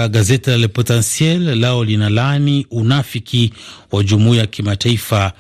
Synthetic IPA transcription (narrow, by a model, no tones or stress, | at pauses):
ɠazɛtilalɛpɔtansiɛllaɔlinalaniunafikʰiwaʄumuijakʰimataifa